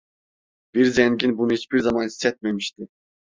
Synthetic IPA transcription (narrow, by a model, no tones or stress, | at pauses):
b̥iɾzɛŋɡʲinbunɨit͡ʃbiɾzɑmɑni̥sɛt̪̚mɛmiʃt̪ɪ